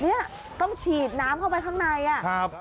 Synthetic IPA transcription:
ni˦˥ɐ | t̪ɔ˥˩ŋt͡ɕʰiː˨˩t̪̚naː˦˥mkʰa˥˩wpa˧jk̪ʰaː˥˩ŋnaː˧jʔa˨˩˦

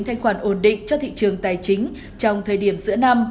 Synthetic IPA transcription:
t̪ʰa˧jŋ̟xwaː˧˩nʔo˧˩nɗḭ̈˧˨ŋ̟t͡ɕɔ˧t̪ʰḭ˧˨t͡ɕɨ˨˩əŋt̪aː˨˩jt͡ɕï˨˦ŋ̟ | t͡ɕɔ˧wŋ͡mt̪ʰəː˨˩jɗi˧˩əmzɨ̰˧˥əna˧m

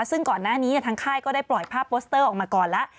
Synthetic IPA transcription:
sɯ˥˩ŋkɔː˨˩nːaː˥˩niː˦nɛ˥˩t̪ʰa˦˥ŋkʰaː˥˩jkɔː˥˩daː˥˩jplɔ˨˩jpʰaː˥˩pːoː˦˥st̪ɤː˥˩ʔɔː˨˩k̚maː˧kɔː˨˩nlɛ˦˥ʔ

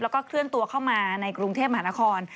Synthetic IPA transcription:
lɛː˦˥wkɔː˥˩kʰɾɯ˥˩ənt̪u˧ɐkʰa˥˩wmaː˧na˧jkɾu˧ŋt̪ʰeː˥˩p̚ma˧ɦaː˧˦na˦˥kʰɔː˧n

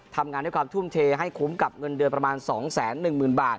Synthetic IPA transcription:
t̪ʰa˧mŋaː˧ndaː˥˩kwaː˧t̪ʰu˥˩˨mt̪ʰeː˧ɦa˥˩jkʰu˩˦mka˨˩p̚ŋɤ˧ndɯ˧npɾa˧maː˧nsɔː˩˦ŋsɛː˩˦nːɯ˨˩ŋmɯː˨˩nbaː˨˩t̪̚

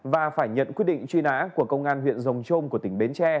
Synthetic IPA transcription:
vaː˨˩faː˧˩jɲə̰˧˨nkwt̚ɗḭ˧˨ŋt͡ɕwi˧na̰ː˧˥ku˧˩əkə˧wŋ͡mʔaː˧nhwḭ˧˨ənzə˨˩wŋ͡mt͡ɕo˧mku˧˩ət̪ï˧˩ŋ̟ɓe˨˦nt͡ɕɛ˧

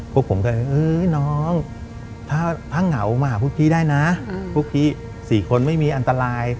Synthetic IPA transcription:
pʰu˦˥əkpʰo˩˦ŋka˧˩˧ʔɯː˧nɔː˦˥ŋ | t̪ʰaː˥˩t̪ʰaː˥˩ŋŋa˩˦wma˧aː˨˩pʰu˥˩k̚t̪ʰiː˥˩daː˥˩jna˦˥pʰuː˦˥˩k̚t̪ʰiː˥˩ | siː˨˩kʰo˧nma˥˩jmiː˧ʔa˧nt̪a˧ɾaː˧j

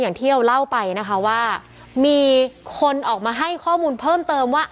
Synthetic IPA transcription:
jaː˨˩ŋt̪ʰiː˥˩ɾa˧wla˥˩wpa˧jna˦˥kʰa˦˥waː˥˩ | miː˧kʰo˧nʔɔː˨˩k̚maː˧ɦa˥˩jkʰɔː˥˩muː˧npʰɤː˥˩mt̪ɤː˧mwaː˥˩

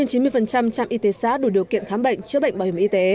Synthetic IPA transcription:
nt͡ɕi˨˦mɨ˧əjfə˨˩nt͡ɕa˧mt͡ɕa̰˧mʔi˧t̪e˨˦sa̰ː˧˥ɗu˧˩ɗi˨˩əwkḭ˧˨ənxaː˨˦mɓə̰˧˨jŋ̟t͡ɕɨ˧əɓə̰˧˨jŋ̟ɓaː˨˩whi˧˩˨ʔi˧t̪e˨˦

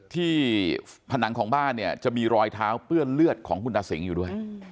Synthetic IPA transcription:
t̪ʰiː˥˩ | pʰa˧na˩˦ŋkʰɔː˩˦ŋbaː˥˩nːi˥˩ɐt͡ɕa˨˩miː˧ɾɔː˧jt̪ʰaː˦˥wpɯ˥˩ɐlɯ˥˩ət̪̚kʰɔː˩˦ŋkʰu˧nʔaː˧si˩˦ŋjuː˨˩du˥˩əj

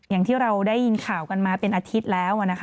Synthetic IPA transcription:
jaː˨˩ŋt̪ʰiː˥˩ɾa˧wdaː˥˩jːi˧nkʰaː˨˩wka˧nmaː˧pe˧nʔaː˧t̪ʰi˦˥t̪̚lɛː˦˥wʔa˨˩na˦˥kʰ

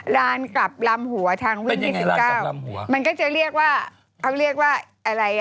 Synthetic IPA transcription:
ɾaː˦˥nkla˨˩p̚la˧mhu˨˩˦ɐt̪ʰaː˧ŋwi˥˧˨iː˥˩si˨˩kaː˥˩wmhu˨˩˦ma˧nkɔː˥˩t͡ɕa˨˩ɾi˥˩ək̚waː˥˩ | kʰa˥˩wɾi˥˩ək̚waː˥˩ʔa˧ɾa˧j

